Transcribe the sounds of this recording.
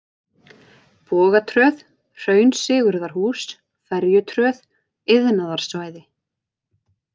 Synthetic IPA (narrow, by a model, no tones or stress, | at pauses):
pɔːɣat̪ʰɾœθ | r̥œːɥnsɪːɣʏɾðaɾ̥huːs | fɛɾjʏt̪ʰɾœð | ɪðnaðaɾ̥svaːjðɪ